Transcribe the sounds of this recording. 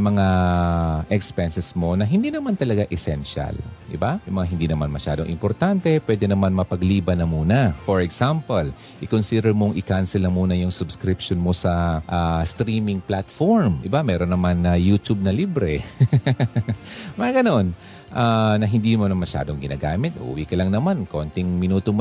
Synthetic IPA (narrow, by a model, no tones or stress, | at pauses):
mɐŋa | ʔɛkspɛnsɛsmo̞nɐɦɪnd̪iːnɐmant̪ɐlɐɡaʔɛsɛnʃa̰ld̪ɪ̰bajʊŋmɐŋaɦɪnd̪inɐmanmɐʃa̰ːd̪oŋʔɪ̰mpoɾt̪ant̪ɛpwɛd̪ɛnɐmanmɐpɐɡliːbɐnɐmuːnɐfoɹɛksampɐl | ʔɪkonsid̪ɛɹmoŋʔɪkansɛlnɐmuːnɐjʊŋsʊbskɾɪpʃonmo̞sɐʔast̪ɾiːmɪŋplat̪foɹmɪbamɛɾonːɐmanɐjut̪ub̚nɐliːbɾɛ | mɐŋaɡɐno̞n | ʔanɐɦɪnd̪inmonmɐʃa̰ːd̪oŋɡɪnaːɡaːmɪt̪̚ʔṵːwikɐlɐŋnɐmanko̞nt̪ɪŋmɪnuːt̪om